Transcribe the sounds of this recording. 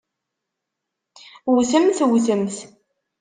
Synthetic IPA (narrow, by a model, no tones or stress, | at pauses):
wθəmθwθəmθ